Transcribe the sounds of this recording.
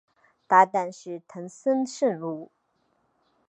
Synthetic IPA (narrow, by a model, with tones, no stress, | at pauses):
t̪a˥˧t̪a˥˧nʂɻ̩˥˩t̪ʰə˧˥ŋsə˥nʂə˥˧nɻu˥˩